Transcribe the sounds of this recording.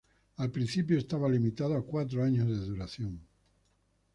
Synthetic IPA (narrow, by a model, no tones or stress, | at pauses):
alpɾin̟θip̬joest̪aβalimit̪aðoakwat̪̬ɾoaɲozðe̞ðuɾaθjoŋ